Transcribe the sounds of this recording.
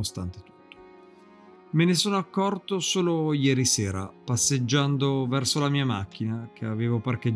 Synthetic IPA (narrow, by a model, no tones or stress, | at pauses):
ost̪ant̪et̪u̥t̪ːo̥ | menesoːnoakːɔrt̪osoːlojɛːɾisɛːɾa̰pasːed͡ʒːand̪ovɛrsolamiːamak̟ːinak̟ʰeaveːvopark̟ed͡ʒ